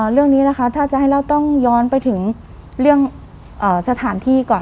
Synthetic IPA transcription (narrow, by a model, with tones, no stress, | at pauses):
ɾɯ˥˩əŋniː˦˥la˦˧kʰa˦˥t̪ʰːaː˥˩t͡ɕa˨ʔha˥˩jɾa˧˩wt̪ɔ˥˩ŋjɔː˦˧˥npa˧jt̪ʰɯ˩˦ŋ | ɾɯ˥˩əŋ | ʔɤː˨˩sa˧t̪ʰaː˩˦nt̪ʰiː˥˩kɔː˨˩n